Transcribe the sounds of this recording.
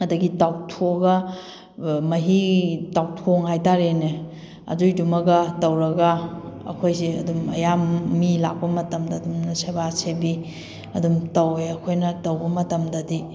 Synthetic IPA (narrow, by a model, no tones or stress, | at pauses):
ɐdɐɡitawtʰoɡɐ | mɐɦitawtʰoŋhajtaɾene | ɐ̰dujdumɐɡɐtɐwɾɐɡɐɐ̰kʰojsiɐ̰dumɐ̰jamːila̰k̚pɐmɐtɐmdɐːdumnɐsebasebi | ɐdumtɐweɐkʰojnɐtɐwbɐmɐtɐmdɐdi